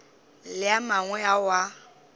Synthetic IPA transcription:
lɪamaŋwɛawa

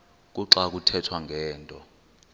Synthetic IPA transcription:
k̬ʼuǁak̬utʰɛtʰwaŋɡʱɛːntʼɔ

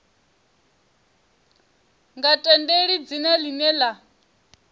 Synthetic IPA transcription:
ŋɡatʼɛndeɺid͡zinɛlinɛla

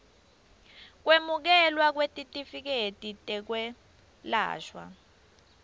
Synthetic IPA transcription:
k̬wemuk̬ɛlwak̬wetʼitʼifik̬etʼitʼɛk̬wɛ | la̰ːʃwa̰

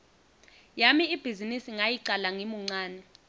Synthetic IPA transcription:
jamiib̥ʱizinisiŋajiǀalaŋimuŋ͡ǀaːnɛ

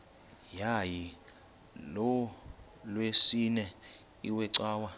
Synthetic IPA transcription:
jaji | lɔ | lwesinɛ | iwɛǀaːwa

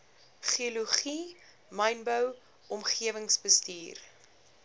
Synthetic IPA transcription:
χioluχi | mɐjnbəw | ɔmχiəvəŋsbəstiːr

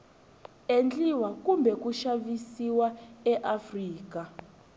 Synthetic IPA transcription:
end͡ɮiwakumbʱɛkuʃaβisiwaɛʔafriːka

